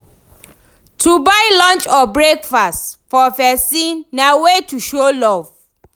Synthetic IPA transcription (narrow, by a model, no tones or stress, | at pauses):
tʰubaɪlɔ̃nt͡ʃɔbɹekfastfɔvɛsĩnːawetuʃolɔv